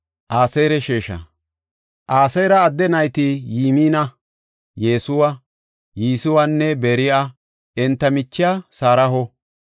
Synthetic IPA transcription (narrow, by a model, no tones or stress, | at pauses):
ʔaːsejɾɛʃeːʃɐ̰ | ʔaːsɛjɾɐːd̪ːɛnɐjt̪ɪjiːmiːnɐ | jeːsʊwɐ | jiːsɪwanːɛbeːɾɪa | ʔɛnt̪ːɐmɪt͡ʃːɪjasaːɾɐɦɔ